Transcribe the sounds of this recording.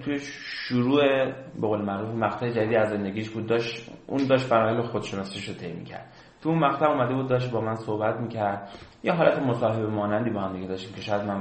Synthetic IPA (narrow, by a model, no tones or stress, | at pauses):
t̪ʰuje | ʃuɾuːe | be̞ɣoːlemæɣɾuːfimæɣt̪ʰæed͡ʒæd̪iːd̪iːæzːe̞nd̪eɡiːʃbuːd̪̚ːɒːʃṵnd̪ɒːʃt̪̚bæɾɒːhelexod̪̥ʃe̞nɒsiʃot̪ʰe̞jmḭːcʰæ̰ɾd̪̥ | t̪ʰuunmæɣt̪ʰæuːmæd̪e̞buːd̪ːɒːʃ̬t̪̚bɒːmænso̞hbæt̪ʰmiːcʰæɾd̪̥jeɦɒːlæt̪ʰemosɒːɦe̞bemɒːnænd̪iːbɒːhæmd̪iɡʲe̞d̪ɒːʃt̪iːmkʲʰe̞ʃɒjæd̪mæn